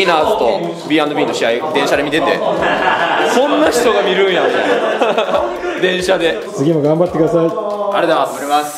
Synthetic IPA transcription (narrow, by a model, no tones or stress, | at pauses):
inaːzɨt̪o̞̰ | bʲiãnd̪obʲĩːnːo̞ɕiaid̪ẽ̞ɰ̃ɕad̪emʲit̪e̞t̪e̞̰ | sõ̞nːaçi̥t̪o̞ɡamʲiɾɯ̟̃ɰjamʲit̪a̰a | d̪ẽ̞ɰ̃ɕad̪e̞ | t͡sɨɡʲimoɡãmbat̪ːekɯd̪asai | aɾed̪aasmaɾʲimas